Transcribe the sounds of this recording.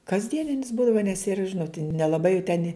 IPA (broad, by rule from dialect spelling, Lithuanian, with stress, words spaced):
kɐzʲˈdʲiɛnʲɪnʲɪs ˈbuːdɐʋɐ nʲɛs ɪr ˈʒʲɪnoːt nʲɛlˠɐˈbɐɪ jɛʊ tʲɛn